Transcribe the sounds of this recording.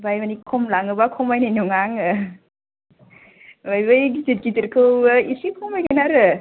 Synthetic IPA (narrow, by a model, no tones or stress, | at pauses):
bajmanikʰɔmlaŋɯbakʰɔmajnajnuŋaŋɯ | bajbɯjɡizit̚kitiɾkʰɯwisikʰɔmajɡajnaɾɯ